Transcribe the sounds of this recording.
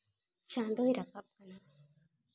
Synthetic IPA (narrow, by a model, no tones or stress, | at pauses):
t͡ʃand̪oiɾakab̚kana